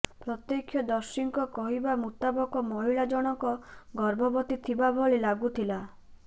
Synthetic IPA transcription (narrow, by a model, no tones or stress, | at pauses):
pɾɔt̪jekʰjɔd̪ɔɾsiŋkɔkɔɦibamut̪abɔkɔmɔɦiɭad͡ʒɔɽ̃ɔŋkɔɡɔɾbʱɔbɔt̪it̪ʰibabʱɔɭelaɡut̪ʰila